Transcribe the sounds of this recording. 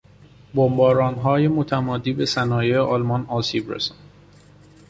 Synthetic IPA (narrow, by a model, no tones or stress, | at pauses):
bombɒːɾɒːnɦɒːjemot̪ʰæmɒːd̪iːbe̞sænɒːjejeʔɒlmɒnɒːsiːbɾḛsɒn